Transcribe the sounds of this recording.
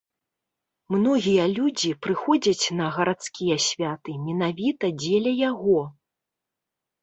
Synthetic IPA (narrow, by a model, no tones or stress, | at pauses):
mnɔɣʲijɐlʲud͡zʲipɾɨxɔd͡zʲɐt͡sʲnɐɣɐɾat̪skʲijɐsʲvʲat̪ɨmʲɛnavʲit̪ɐd͡zʲelʲɛjaɣɔ